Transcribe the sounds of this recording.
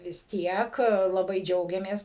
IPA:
ʋʲɪs ˈtʲiɛk lˠɐˈbɐɪ ˈd͡ʒʲɛʊɡʲɛmʲeːs

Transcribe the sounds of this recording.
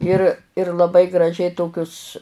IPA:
ˈɪr ɪr lˠɐˈbɐɪ ɡrɐˈʒʲɛɪ ˈtoːkʲʊs

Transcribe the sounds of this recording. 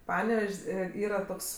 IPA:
ˈpɑːnʲɛʋʲɛʃʲsʲ ˈeː ˈiːrɐ ˈtoːks

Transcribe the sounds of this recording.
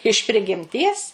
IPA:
ɪʃ pʲrʲɪɡʲɪmʲˈtʲiɛs

